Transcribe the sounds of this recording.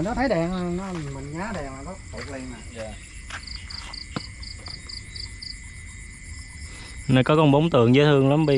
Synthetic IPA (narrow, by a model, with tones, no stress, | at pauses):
nɔ˨˦t̪ʰə˨˦jɗɛ˨˩ŋa˨˩nɔ˨˦˨mï˨˩ŋŋaː˨˦ɗɛ˨˩ŋa˨˩kɔ˦˥t̪u˨˩ək̚li˧ənma˨˩za˨˩ | nə˧jkɔ˨˦kɔ˧nɓə˨˦wŋ͡mt̪ɨ̰˧˨əŋzəː˨˦jt̪ʰɨ˧əŋla˨˦mɓi˧